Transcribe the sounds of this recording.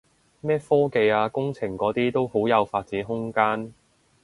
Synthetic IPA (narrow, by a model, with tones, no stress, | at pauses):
mɛː˥fɔː˥ke˧jaː˧kʊ˥ŋt͡sʰɪ˨˩ŋkɔː˨˥t̪iː˥t̪o˥who˨˥wjɐ˨˧wfaː˧t̚t͡siː˨˥nɦʊ˥ŋkaː˥n